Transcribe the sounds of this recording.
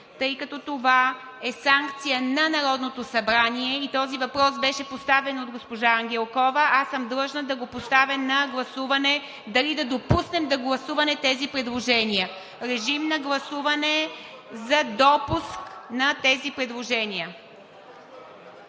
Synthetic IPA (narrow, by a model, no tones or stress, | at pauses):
t̪ɤjkɐt̪ɔt̪ova | ɛsaŋkt̪sijənɐnɐɾɔd̪not̪osɐbɾaniɛit̪ɔzivɐpɾɔsbɛʃɛpost̪avɛnod̪ɡospoʒaɐŋɡʲɛlˠkɔvəʔasəmd̪lˠɤʒnəd̪ɐɡopost̪avɛnnːɐɡlˠɐsuvɐnɛ | d̪ɐlid̪ɐd̪opusnɛmd̪ɐɡlˠɐsuvɐnɛt̪ɛzipɾɛd̪lˠoʒɛnʲiə | ɾɛʒimnɐɡlˠɐsuvɐnɛ | zɐd̪ɔpusknɐt̪ɛzipɾɛd̪lˠoʒɛniə